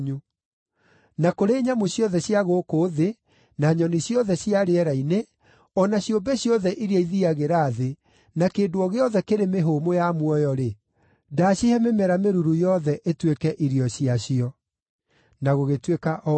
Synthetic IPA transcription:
ɲu | nakoɾeːɲamoɕjɔðɛɕjaɣoːkoðe | naɲɔniɕjɔðɛɕjiaɾeɛɾaine | ɔnaɕjombɛɕjɔðɛʔiɾiaiðiaɣeɾaːðe | nakeːdoɔɣeɔðɛkeɾemeɦomojamwɔjɔɾe | daɕihɛmemɛɾameɾuɾujɔðɛʔetwekɛʔiɾiɔɕiaɕiɔ | naɣoɣetwekaʔɔ

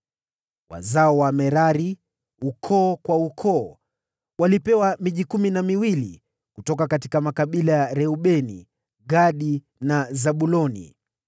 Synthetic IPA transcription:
wa̰zaɔwamɛɾaɾi | ukʰɔːkwaukʰɔː | walipɛwamiʄikuminamiwili | kutɔkakati̥kamakaɓilajaɾɛuɓɛnḭ | ɡaɗi | nazaɓulɔnḭ

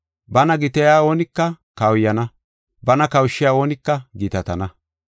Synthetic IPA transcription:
bɐnɐɡɪt̪ɛjaːoːnɪkːɐkɐwjːɐnɐ | bɐnɐkɐwʃːɪjaːoːnɪkːɐɡɪt̪ɐt̪ɐnɐ

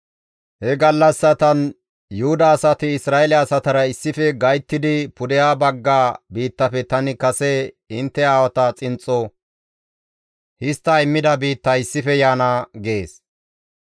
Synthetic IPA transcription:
hɛɡɐlːɐsːɐt̪ɐn | jʊhʊd̪ɐaːsɐt̪ɪɪsɾaːɛlɪaːsɐt̪ɐɾɐɪsːɪfɛɡɐjt̪ːɪd̪ɪpʊd̪ɛjaːbɐɡːaːbiːt̪ːɐfɛt̪ɐnɪkɐsɛ | ɪnt̪ːɛaːwɐt̪ɐt͡sʼɪnt͡sʼːɔ | hɪst̪ːɐɪmːɪd̪ɐbiːt̪ːɐɪsːɪfɛjaːnaɡeːs

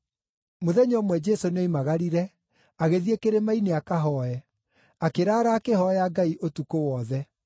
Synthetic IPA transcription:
moðɛɲɔmwɛd͡ʒesoneimaɣaɾiɾɛ | aɣeðiekeɾemaineakaɦɔɛ | akeɾaːɾaːkeɦɔjaɡaiʔotukowɔðɛ

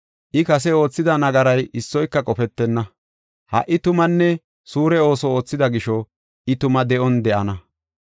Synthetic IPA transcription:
ʔɪkɐs̬ɛo̞ːt͡sːɪd̪ɐnɐɡɐɾɐjɪsːɔjkːɐkʼɔfɛt̪ːɛnːɐ | hɐ̰ʔːɪt̪ʊmɐnːɛ | suːɾɛo̞ːsɔoːt͡sːɪd̪ɐɡɪʃɔ | ʔɪt̪ʊmɐd̪ɛʔɔnd̪ɛʔɐnɐ

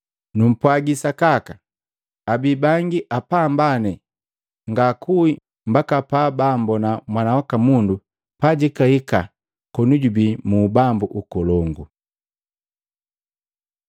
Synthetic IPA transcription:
num̩pwaɡisakaka | abibaŋɡiʔapambanɛ | ŋɡakʰui | mbakapabambɔnamwanawakamundu | paɟikahika | kɔnuɟubimubambuʔukɔlɔŋɡu

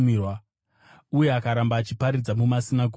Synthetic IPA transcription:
mirwa | uje̞akaɾambaːt͡ʃipaɾid͡zamumasinaɡʱo

